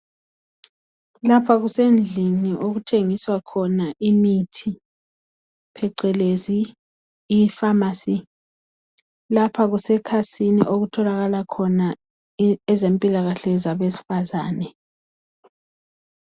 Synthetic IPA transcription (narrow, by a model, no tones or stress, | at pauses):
lapʰaɣusend͡ɮʱiniʔoɣutʰeŋiswakʰɔnaʔimitʰi | pʰɛǀɛleziː | famaːsi | lapʰaɣusɛkʰasinḭʔoɣutʰɔlaɣalakʰɔna | ɛzempʼilaɣaɬɛzaβesi̥fazaːnɛ